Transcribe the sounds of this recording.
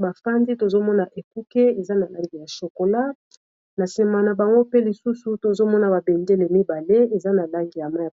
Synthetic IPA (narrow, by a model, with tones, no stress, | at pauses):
ba˨fa˦ndi˦to˨zo˦mɔ˦na˨ʔe˨ku˦ke˦e˨za˦na˨la˦ŋɡi˨ja˨so˨ko˨la˦ | na˨se˨ma˨na˨ba˨ŋɡo˦pe˦li˨su˦su˨to˨zo˦mɔ˦na˨ba˨be˨nde˦le˨mi˦ba˨le˦e˨za˦na˨la˦ŋɡi˨ja˨ma˦ja˨